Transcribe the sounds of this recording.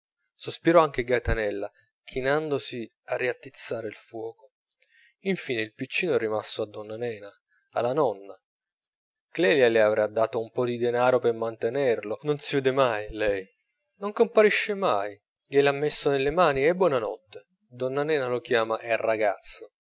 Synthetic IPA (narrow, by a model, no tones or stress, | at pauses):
sospiɾɔaŋk̟eɡat̪anɛlːa | k̟ʰinand̪osi | arːiat̪ːit̪sːaːɾeilfwɔːko | iɱfiːneilpit͡ʃːiːnoɛrimasoad̪ːɔnːanɛːna | a̰lːanɔnːa | klɛːljaleavɾad̪ːaːt̪oumpɔd̪id̪enaːɾopemant̪enɛrlononsivɛːd̪ɪmajlɛj | noŋkompaɾiʃːemaj | ʎɛlamːesːonelːemaːniɛbːwɔːnanɔ̰t̪ːe | d̪ɔnːanɛːnalokjaːmaʔɛrːaɡat̪sːo